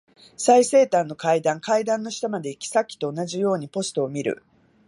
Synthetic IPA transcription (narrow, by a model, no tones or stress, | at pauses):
saise̞ːt̪ãnːo̞kaid̪ãŋkaid̪ãnːo̞ɕi̥t̪amad̪e̞ikʲi̥sakʲːi̥t̪o̞ːnaʑijo̞ːɲ̟ipo̞sɨ̥t̪o̞ːmʲiɾɯ̟̰